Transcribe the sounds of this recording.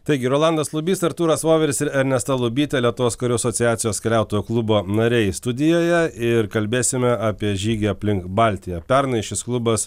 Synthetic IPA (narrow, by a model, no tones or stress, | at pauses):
t̪ɐɪɡʲɪɾoːlˠɑnd̪ɐslˠʊbʲiːst̪ɐɾt̪uːɾɐsʋoːʋʲɛɾʲɪsɪɾɐɾʲnʲɛst̪ɐlˠʊbʲiːt̪ʲɛlʲiɛt̪ʊʋoːskɐɾʲuɐsot̪sʲɪjæːt̪sʲɪjoːskʲɛlʲæˑʊt̪oːjuklˠʊboːnɐɾʲɛɪst̪ʊd̪ʲɪjoːjɛɪɾkɐlʲbʲeːsʲɪmʲɛaːpʲiɛʒʲiːɡʲeːɐpʲlʲɪŋkbɑlʲt̪ʲɪjɛpʲɛɾnɐɪʃʲɪsklˠʊbɐs